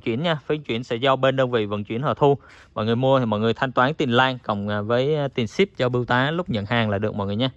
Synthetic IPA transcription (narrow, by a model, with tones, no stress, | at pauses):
t͡ɕwḭ˧˨ənɲaː˧fi˨˦ə˦ŋt͡ɕwḭ˧˨ənsɛ̰˧˥za˧wɓe˧nɗəː˧nvḭ˧˨və̰˧˨nt͡ɕwḭ˧˩ənhɔː˨˩t̪ʰu˧ | mɔ̰˧˨jŋɨ˨˩jmu˧ət̪ʰi˨˩mɔ̰˧˨jŋɨ˨˩əjt̪ʰa˧jŋ̟t̪waː˨˦nt̪i˨˧˩nlaː˧nkə˨˩wŋ͡mvəː˨˦jt̪i˨˩nsi˦˥p̚t͡ɕɔ˧ɓɨ˧wt̪aː˨˦lʊ˦˥k͡p̚ɲə̰˧˨nhaː˨˩ŋlaː˨˩ɗɨ˨˩ək̚mɔ̰˧˨jŋɨ˨˩əɲaː˧